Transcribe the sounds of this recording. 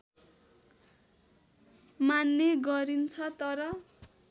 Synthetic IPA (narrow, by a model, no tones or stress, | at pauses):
manːeɡʌɾint͡sʰʌt̪ʌɾʌ